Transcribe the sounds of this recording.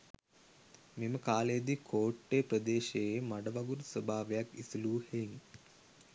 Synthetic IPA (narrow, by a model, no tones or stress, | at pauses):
meməkaːlejd̪ikʰoːʈːepɾəd̪eːʃejemaɖəʋaɡuɾsəbʱaːʋejakisiluːheŋ